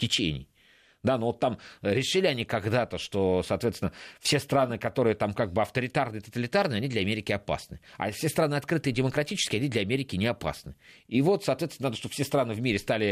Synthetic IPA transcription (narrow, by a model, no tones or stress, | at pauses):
tʲɪt͡ɕḛnʲɪ̰j | d̪anovot̪ːamɾʲɪʂɨlʲɪɐnʲikɐɡd̪at̪əʂt̪osɐːt̪vʲet̪sʲɪnəfsʲe̞st̪ɾanɨkɐt̪o̞ɾɨjət̪amkaɡ̚bɨɐft̪əɾʲɪt̪arnɨɪt̪ət̪əlʲɪt̪arnɨɪɐnʲid̪lʲɐmʲeɾʲɪkʲɪɐpa̰snɨa̰fsʲest̪ɾanɨɐt̪kɾɨt̪ɨɪdʲɪməkɾɐtʲit͡ɕɪ̥skʲɪɐnʲid̪lʲɐɐmʲeɾʲɪkʲɪnʲɪɐpa̰snɨivo̞t̪sɐːt̪vʲesnaoʂt̪o̥fsʲest̪ɾanɨvmʲiɾʲɪst̪alʲɪ